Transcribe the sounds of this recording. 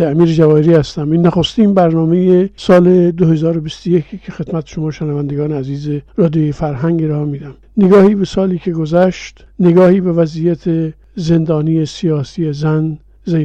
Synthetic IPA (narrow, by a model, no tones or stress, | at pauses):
eæmiːɾed͡ʒævɒːeɾiːhæst̪æminːæxost̪iːnbæɾnɒːmejesɒːled̪ohe̞zɒːɾobist̪ojekʰikʰexe̞d̪̥mæt̪ʰe̥ʃo̞mɒːʃenævænd̪eɡɒːneæziːzeɾɒːd̪ijojefæɾɦæŋɡeɾɒːemiːd̪æm | neɡɒːhiːbesɒːliːkʰeɡozæʃt̪neɡɒːhiːbe̞væzijæt̪ʰe | ze̞nd̪ɒːniːjesijɒːsiːjezæn | ze